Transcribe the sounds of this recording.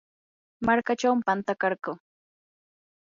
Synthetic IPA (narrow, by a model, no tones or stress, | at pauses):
maɾkat͡ʃawmpant̪akɑɾkʊ